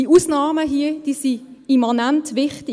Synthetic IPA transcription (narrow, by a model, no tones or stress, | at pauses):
iuːsnɑːməɦiəd̥iːsiimanantʋɪχtɪ